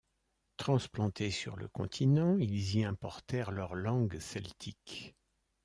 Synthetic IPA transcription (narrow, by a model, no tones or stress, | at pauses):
t̪χɑ̃splɑ̃t̪ʰesy̰ʁlə̰kɔ̰̃t̪ʰinɑ̃ilziɛ̃pɔʁt̪ɛʁlœʁlɑ̃ɡsɛlt̪ʰik